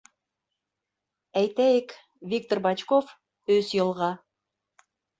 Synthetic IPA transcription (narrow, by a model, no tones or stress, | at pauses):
æjt̪æjek | vʲik̚t̪orbɑt͡ʃkof | øzjɤ̆lˠʁɑ